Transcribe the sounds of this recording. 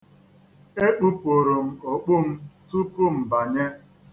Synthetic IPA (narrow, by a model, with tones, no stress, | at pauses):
e˦k͡pu˦po˨ɾo˨m̩˦o˨k͡pʊ˦m̩˦tu˦pu˦m̩˨ba˨ɲe˦